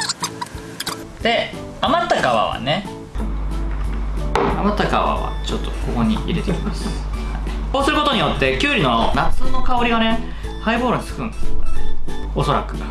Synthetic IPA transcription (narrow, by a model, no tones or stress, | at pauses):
d̪̥e̞amat̪ːakaβa̰βa̰ne̞ | amat̪ːakaβa̰βa̰t͡ɕo̞t̪ːo̞̥ko̞ko̞ɲ̟ḭiɾe̞t̪eimasɨ̥haikoːsɨɾɯ̟ko̞t̪oɲ̟ijo̞t̪ːe̞kʲɨːɾʲino̞nat͡sɨːno̞kao̞ɾʲiβane̞ | haiboːɾoɲʲisɨ̥kɯ̟̃ne | o̞so̞ɾakɯ̟̥